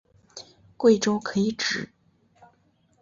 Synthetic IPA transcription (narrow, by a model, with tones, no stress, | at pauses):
kwe˥˩ɪʈ͡ʂo˥ʊkʰɤ˧˥i˧˥ʈ͡ʂɻ̩˨˩˦